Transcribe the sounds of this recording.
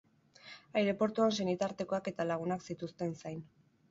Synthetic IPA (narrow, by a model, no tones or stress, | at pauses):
ajɾe̞po̞ɾt̪uansenit̪aɾt̪e̞ko̞ake̞t̪alaɣ̞unaksit̪ust̪e̞nsajn